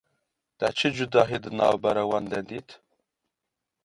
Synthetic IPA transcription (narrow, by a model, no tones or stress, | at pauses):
t̪at͡ʃʰɨd͡ʒud̪ɑːɦid̪ɨnɑ̰ːwbaɾawɑnd̪ɛd̪it̪ʰ